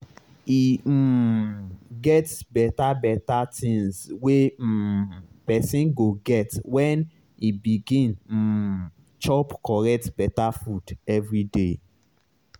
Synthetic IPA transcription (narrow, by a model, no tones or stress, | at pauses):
i | ɡɛtsbɛtabɛtatʰĩŋswe | pɛsĩnɡoɡɛtwɛn | ibiɡĩn̩ | t͡ʃɔpkɔɾɛk̚tbɛtafudɛvɾide